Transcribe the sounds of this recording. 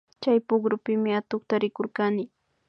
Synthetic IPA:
t͡ʃajpʊɡɾʊpɪmɪat̪ʊχt̪aɾɪkoɾkanɪ

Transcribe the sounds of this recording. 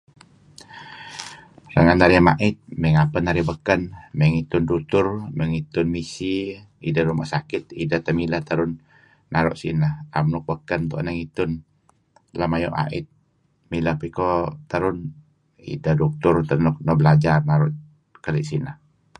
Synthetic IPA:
ɾaŋanaɾiama̰ʔit̪̚məŋapənaɾibəkənməŋit̪ʊndut̪ʊrməŋit̪ʊnmisi | idaɾumaʔsakɪt̪̚idəht̪əmiləht̪əɾʊnː | aɾɔ̰ʔsḭnəhamnuk̚bəkənt̪ɔ̰ʔnaŋit̪ʊn | lamajɔ̰ʔa̰ʔɪ̰t̪̚ | miləhpikɔt̪əɾʊn | ḭdəhduk̚t̪ʊrt̪ənɔk̚nɔbəlad͡ʒarnaɾʊʔ | kəliʔsinəh

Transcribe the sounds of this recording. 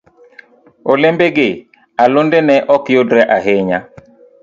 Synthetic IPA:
olɪmbeɡɪ | alʊndenɛʔɔkjodɾɛʔaɦɪɲa

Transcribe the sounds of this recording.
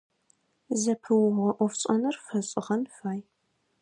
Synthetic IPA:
zɐpʰɨwʊʁɐʔʷɔfɕʼɐnɐrfɐɕʼɪ̰ʁɐnfaːj

